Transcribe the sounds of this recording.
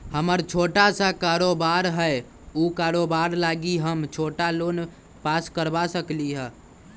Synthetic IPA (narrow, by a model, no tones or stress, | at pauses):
həməɾt͡ʃʰoːʈasakaɾobaɾɦə | ukaɾobaɾlaɡiɦəmt͡ʃʰoʈalon | paskəɾbasəkliɦɛ̃